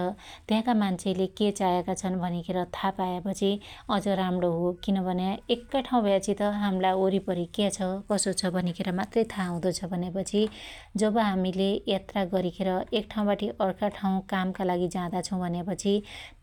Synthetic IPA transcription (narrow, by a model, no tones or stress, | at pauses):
ʌt̪jãkamant͡sʰeleket͡sajekat͡sʰʌnbʱʌnikʰeɾʌt̪ʰapaepʌt͡sʰiʌd͡zʌɾamɽoɦokinʌbʱʌneekːaʈʰaw̃bʱʌjet͡sʰit̪ʌɦamlaoɾipʌɾikjat͡sʰʌkʌsot͡sʰʌbʱʌnikʰeɾʌmat̪rʌjt̪ʰaːw̃d̪ʌt͡sʰʌbʱʌnepʌt͡sʰi | d͡zʌbʌɦamilejat̪raɡʌɾikʰeɾʌekʈʰaw̃baʈʰiʔʌɽkaʈʰaũkamkalaɡid͡zãd̪at͡sʰʌ̃w̃bʱʌnepʌt͡sʰi